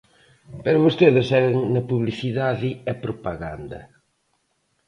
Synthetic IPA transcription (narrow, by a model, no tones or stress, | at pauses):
pɐɾɐβost̪eðɪsɛɾɐŋnɐpuβliθiðaðɪɐpɾopaɣa̰nd̪ɐ̰